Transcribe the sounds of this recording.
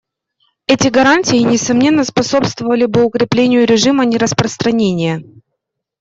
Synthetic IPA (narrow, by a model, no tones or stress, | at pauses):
ɛtʲɪɡɐɾanʲtʲɪjɪnʲɪsɐmnʲe̞nːəspɐso̞pst̪vəvəlʲɪbɨʊkɾʲɪplʲenʲɪjʊɾʲɪʐɨmənʲɪɾəspɾəst̪ɾɐnʲenʲɪjə